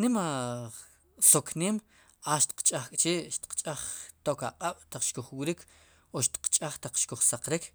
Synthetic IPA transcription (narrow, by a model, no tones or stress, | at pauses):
nima | sokʰneːm | aʃt̪i̥qt͡ʃʼaχkʼt͡ʃiːʔʃt̪i̥qt͡ʃʼaχt̪oːkaqʼaɓ̥t̪aq͡χʃkuχwiɾikʰ | oʃt̪i̥qt͡ʃʼaχt̪aq͡χʃkuχsaqɾikʰ